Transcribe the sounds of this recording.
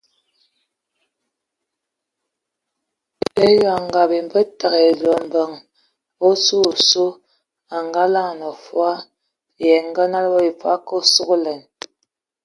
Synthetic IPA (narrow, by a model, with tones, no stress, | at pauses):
e˦ja˨ŋ˨ɡa˨bi˨m˨bə˦ta˨ɣe˨lɔ˨m̩˨bə˨ŋ | o˦su˦˨su˦ | a˨ŋɡa˦la˦˨nɔ˨fwa˦ | jɛ˨ŋ˦ɡə˦na˦lbɔ˦i˨pa̰˦ko˦su˦ɣo˦lɛ˨n